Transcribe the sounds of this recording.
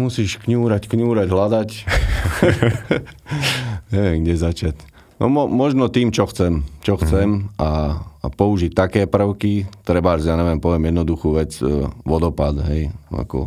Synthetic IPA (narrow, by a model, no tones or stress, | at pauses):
musiːʃkɲuːɾackɲuːɾaɟɦlad̪ac | ɲɛʋɪɛmɡɟɛzat͡ʃac | nɔ̰mɔmɔʒnɔt̪iːmt͡ʃɔxt͡sɛmt͡ʃɔxt͡sɛmʔapɔuʒic̚t̪akɛːpr̩ʊkit̪ɾɛbaaʒjaːɲɛʋɛmpɔʋɪɛmjɛd̪nɔd̪uxuːʋɛd͡zʋɔd̪ɔpad̪ɦɛja̰kɔ̰